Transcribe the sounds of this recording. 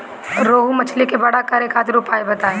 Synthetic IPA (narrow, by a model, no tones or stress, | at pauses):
ɾoːɦumɐt͡ʃʰlekebɐɽakɐɾeːkʰaːt̪ʰɾupʰaːebɐt̪aːe